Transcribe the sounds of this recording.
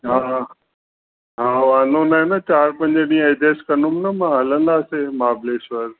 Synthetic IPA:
ɦa | ɦãːʋaːnõnaɦenɐt͡ɕaːɾpɐ̃ɲd͡ʑəɗĩːə̃ed̪eːskɐnʊmnɐmãɦɐlə̃nd̪aːsemaːbleːsʋəɾ

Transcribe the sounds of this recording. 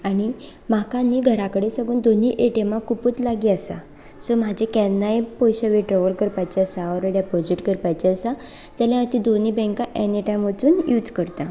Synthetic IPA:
aɽ̃i | makãnːiːɡʱəɾakəɽesəɡuːnd̪oniʔeʈemãkuput͡slaɡiasa̰ | sɔmad͡ʑʱekɛnːajpɔjɕəʋiʈɾɔʋəlkəɾpajt͡ɕeasaɔɾəɽjapɔd͡ʑiʈkəɾpajt͡ɕeasa | t̪aljãt̪id̪oniːbɛ̃ŋkãʔɛniʈajmʋət͡suːnjuːd͡zkəɾt̪a

